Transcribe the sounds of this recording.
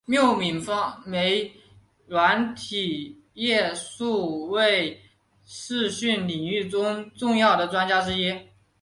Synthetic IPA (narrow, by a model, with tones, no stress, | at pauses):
mjo˥˩ʊmi˨˩nfɑ˥ŋme˧˥ɪ | lwa˧˥nt̪ʰi˨˩ | jɛ˥˧su˥˧we˥˩ɪ | ʂɻ̩˥˧ɕy˥˩nli˨˩ŋy˥˩ʈ͡ʂʊ˥ŋʈ͡ʂʊ˥˧ŋjɑ˥˩ʊɾə˩ʈ͡ʂwa˥nt͡ɕja˥ʈ͡ʂɻ̩˥jɛ˥